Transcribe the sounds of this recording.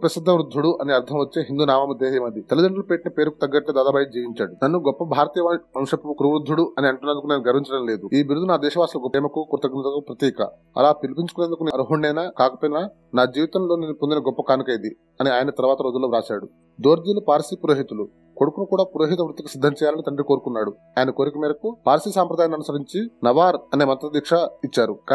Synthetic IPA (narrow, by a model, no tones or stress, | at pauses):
pɾɐsid̪ʱːɐmɾud̪ʱːuɽuʔɐniɐɾd̪ʰʱɐmʋɐt͡ʃːeːɦind̪uːnaːʋaːmud̪eːɦɐjɐmɐd̪it̪ɐlud̪ɐɳɖɐlupeːʈinɐpeːɾuku̥t̪ɐɡːɐʈlɐːd̪aːd̪aːbɐjɐd͡ʒiːʋiɲt͡ʃaːɽunɐnːuɡɔpːɐbʱaːɾɐt̪iːjɐaɐmʂɐpːukɾuʋɾud̪ʱːuɽuɐniɐɳʈunːɐnd̪ukuneːnuɡɐɾmiɲt͡ʃɐɽɐmle̞ːd̪uiːbiɾud̪ːunaːd̪ɛːʃɐʋaːslɐɡɔpːɛːmɐkukuɾt̪ɐɡinɐd̪ɐkupɾɐt̪iːkɐ̰ | ɐ̰laːpilipiɲt͡ʃukuneːnd̪ukuneɾuɦuɳɖɐjnaːkaːkɐpoːjnaː | naːd͡ʒiːʋit̪ɐmloːniːnipond̪inɐɡɔpːɐkaːnukɐjid̪i | ɐniaːjɐnɐt̪ɐɾuʋaːt̪ɐɾo̞ːd͡ʒulːoːɾaːsaːɽu | d̪o̞ːɾd̪ilupaːɾsipuɾoːɦit̪ulu | koɽukunukuːɽaːpuɾoːɦit̪̬ɐʋɾut̪ːikɐsid̪ʱːɐmt͡ʃɛːjaːlɐnit̪ɐɳɖɾikoːɾukunːaːɽu | aːjɐnɐkoːɾikɐmiːɾɐkupaːɾsisaːmpɾɐd̪aːjɐnːɐnusɐɾiɲt͡ʃinɐʋaːɾɐne̞ːmɐnt̪ɐɾɐd̪iːkʂɐit͡ʃːaːɾuka